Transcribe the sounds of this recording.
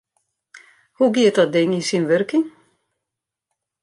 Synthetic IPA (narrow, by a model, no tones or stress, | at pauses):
huɡiət̚dɔt̚dɪŋinsinʋørkɪŋ